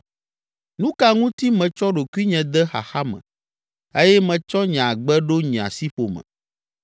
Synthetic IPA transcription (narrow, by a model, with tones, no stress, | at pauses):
nũ˦ka˨ŋũ˦t̪i˦mɛ̃˨t͡ʃɔ˦ɖo˨kwi˦ɲɛ̃˨d̪ɛ˦xa̰˨xa˦mɛ̰̃˨ | e˦jɛ˦mɛ̃˨t͡ʃɔ˦ɲã˨ɡ͡bɛ˦ɖo˦ɲĩ˨a̰˨si˦ɸo˨mɛ̰̃˨